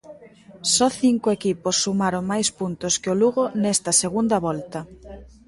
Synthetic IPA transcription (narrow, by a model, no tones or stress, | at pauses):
sɔθiŋkʊekiposːumaɾoŋmajspunt̪ʊskɪʊluɣonɛst̪ɐseɣund̪ɐβɔlt̪ɐ